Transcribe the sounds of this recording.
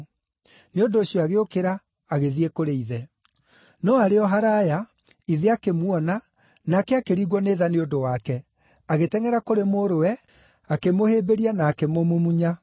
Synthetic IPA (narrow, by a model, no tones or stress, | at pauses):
neondoːɕiɔaɣeokeɾaː | ɣeðiɛkoɾeiðɛ | nɔaɾeɔɦaɾaja | iðeakemwɔna | nakɛakeɾiɣwɔneːðaneondowakɛ | aɣetɛŋɛɾakoɾemoɾoɛ | akemohebeɾianaːkemomomuɲa